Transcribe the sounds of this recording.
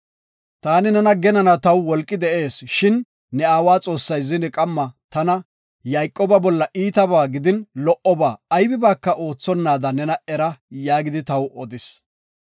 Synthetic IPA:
t̪aːnɪnɛnɐɡɛnɐnɐt̪ɐwwɔlkʼːɪd̪ɛʔe̞ːsʃɪnː | ɛaːwaːt͡sʼo̞ːsːɐjzɪnɪkʼɐmːɐt̪ɐnɐ | jɐjkʼːɔːbɐbɔlːɐʔiːt̪ɐbaːɡɪd̪ɪnlɔʔɔbaːjbɪbaːkːɐʔo̞ːt͡sːɔnːaːd̪ɐnɛnɐɛɾɐjaːɡɪd̪ɪt̪ɐwʔɔd̪ɪs

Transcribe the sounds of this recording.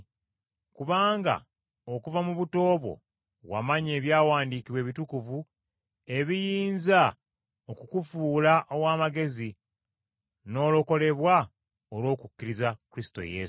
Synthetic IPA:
kuβaːŋɡa̰ | okuvamuβuto̞ːβwo̰ | wa̰maɲeːβjaːwaːndiːkiβwe̞ːβitukuvu | e̞βijiːnza | okukufuːlaʔowaːmaɡe̞zi | no̞ːlo̞ko̞le̞βwa | olo̞ːkukːiɾizakuɾisi̥to̞̰jḛ

